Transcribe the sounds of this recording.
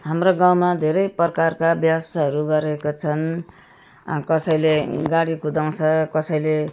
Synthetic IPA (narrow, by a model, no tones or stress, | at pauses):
ɦamroɡaw̃mad̪ʱeɾʌjpʌrʌkarkabjasaɦʌɾuɡʌɾekot͡sʰʌn | kʌsʌjleɡaɽikud̪aw̃t͡sʰʌkʌsʌjle